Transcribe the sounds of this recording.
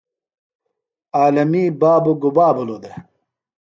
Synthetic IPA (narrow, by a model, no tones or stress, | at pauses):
aːlɐmiːbaːbuɡubaːbulod̪e